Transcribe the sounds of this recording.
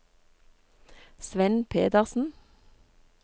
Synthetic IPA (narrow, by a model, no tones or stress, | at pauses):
sʋɛnpʰeːd̪əʁsn̩